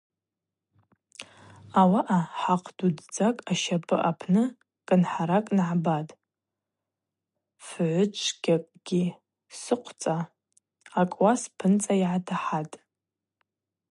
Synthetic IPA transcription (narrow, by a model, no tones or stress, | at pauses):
awaʔaħaqʰdudd͡zakʼaʃapʰʼɨʔapʰnɨ | kʼɨnħaɾakʼnʕabatʼ | fʕʷʊt͡ʃʷʰɡʲakʼɡ̥ʲi | sɨqʷʰt͡sʼaː | kʼwaspʰɨnt͡sʼaiʕatʰaħatʼ